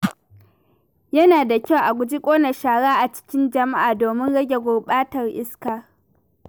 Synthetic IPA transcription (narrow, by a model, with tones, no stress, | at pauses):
jɐ˦naː˨da˨kʲa˦˨wʔa˨ɡʷʊ˨d͡ʒi˦kʷʼoː˦nɐ˨ʃaː˨ɽaː˦ʔa˨t͡ʃɪ̥˦kʲɪ˦nd͡ʒɐ˨ma˦ʔaː˨doː˨mɪ˦nɽɐ˦ɡʲe˨ɡʷʊ˨ɓaː˦tɐ˨rʔɪ˦skaː˨